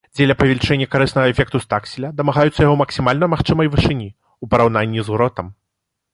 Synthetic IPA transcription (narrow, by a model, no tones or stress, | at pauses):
d͡zʲɛlʲɐpɐvʲɛlʲt͡ʂɛnʲːɐkaɾɨsnɐɣɐɛfʲɛk̚t̪ust̪aksʲilʲɐd̪ɐmaɣajut̪sːɐjaɣɔmɐksʲimalʲnɐmaxt͡ʂɨmɐjvɨʂɨnʲi | upɐɾawnanʲːizuɾɔt̪ɐm